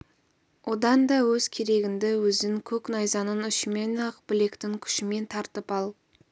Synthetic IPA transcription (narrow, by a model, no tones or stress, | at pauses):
wʔo̞d̪ɑnd̪ɑwɵzkʲʰe̞ɾe̞ɡʲɪnd̪ɪwɵzɪŋkʲʰɵknɑjzɑnənʏʃɪme̞nɑqbɪle̞kt̪ɪŋkʲʰʏ̥ʃɪme̞nt̪ʰɑɾt̪əpɑlˠ